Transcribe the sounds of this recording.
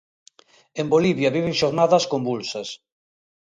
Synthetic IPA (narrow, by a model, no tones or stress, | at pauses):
emboliβjɐβiβ̞eŋʃoɾnaðɐskombulsas